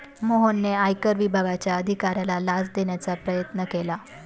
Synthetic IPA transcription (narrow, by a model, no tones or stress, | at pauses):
moɦonːeajkəɾʋibʱaɡat͡ɕjaəd̪ʱikaɾjalalad͡zd̪eɳjat͡sapɾəjət̪nəkela